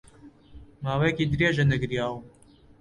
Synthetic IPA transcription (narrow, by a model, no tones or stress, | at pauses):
maːwejekiːd̪ɾeːʒɐnɐɡɾjaːw